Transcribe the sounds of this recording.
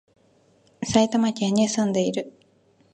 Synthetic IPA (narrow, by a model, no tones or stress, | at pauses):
sait̪amakʲaɲːisɨ̃nd̪e̞iɾɯ̟